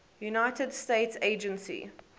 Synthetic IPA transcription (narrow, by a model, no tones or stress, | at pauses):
junaɪtʰədsteɪtseɪd͡ʒə̃nsḭ